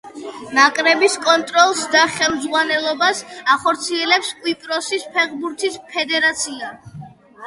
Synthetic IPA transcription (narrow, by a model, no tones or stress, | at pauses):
nakʼɾɛbiskʼɔnt̪ʼɾɔlˠsd̪aχɛlˠmzʁwanɛlˠɔbasaχɔɾt̪sʰiɛlɛpskʼwipʼɾɔsispʰɛʁbuɾt̪ʰispʰɛd̪ɛɾat̪sʰia